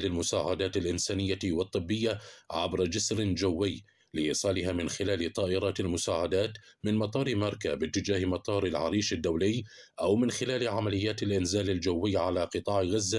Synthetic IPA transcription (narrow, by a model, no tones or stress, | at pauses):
lɪlmʊsaːʕad̪aːt̪ɪlʔɪnsaːnɪjːawɑt̪ˤːɨbːɪjːaʕa̰bɾˤad͡ʒɪsɾɪd͡ʒawːɪjː | lɪʔiːsˤɑːlɪɦaːmɪnxɪlaːlɪt̪ˤɑːʔɪɾˤɑːt̪almʊsaːʕad̪aːt̪mɪnmɑt̪ˤɑːɾˤmɑɾˤkabɪt̪ːɪd͡ʒaːhmɑt̪ˤɑːɾɪlʕa̰ɾiːʃɪd̪ːawlɪj | ʔawmɪnxɪlaːlʕamalɪjːaːt̪ɪlʔɪnzaːlɪld͡ʒawːɪːʕalaqɨt̪ˤɑːʕɣazːa